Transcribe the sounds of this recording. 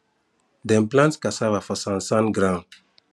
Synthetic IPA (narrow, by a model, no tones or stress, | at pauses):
dɛ̃mplãntkasavafɔsãnsãnɡɾã